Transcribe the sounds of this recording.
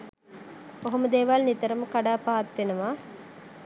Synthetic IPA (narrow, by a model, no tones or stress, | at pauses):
oɦɐmɐd̪eːʋalnit̪əɾɐməkaɖaːpaɦɐt̪ːʋenuʋaː